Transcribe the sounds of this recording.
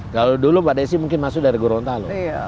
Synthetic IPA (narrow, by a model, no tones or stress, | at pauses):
kalodulʊmbadas̬imuŋkɪnmasʊk̚daɾiɡoɾɔnt̪alʊ